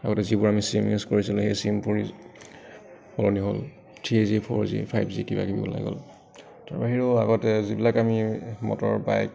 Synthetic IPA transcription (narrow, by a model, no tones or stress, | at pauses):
aɡɔtɛzibuɹamisimjuskoɹisilʊhejsimpoɹi | pɔlɔniɦɔl | tʰɹizipʰɔɹzḭpʰajbzikiba̰kibḭbɔ̰la̰jɡɔ̰l | taɹbaɦiɹoaɡɔtɛzibilakamimɔ̰tɔɹbajk